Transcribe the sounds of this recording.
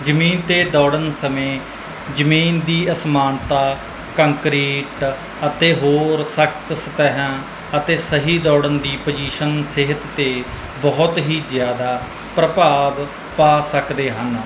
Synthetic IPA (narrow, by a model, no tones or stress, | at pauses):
d͡ʒəmiːnt̪eːd̪ɔːɽənsəmẽː | d͡ʒəmiːnd̪iːəsmaːnt̪aː | kəŋkɾiːʈ | ət̪eːɦoːɾsəkʰt̪sət̪ɛɦãː | ət̪eːsəɦiːd̪ɔːɽənd̪iːpəd͡ʒiːʃənseɦət̪ːeː | bɔːʊt̪ɦiːzɪjaːd̪aː | pɾəpaːb | paːsəkd̪eːɦən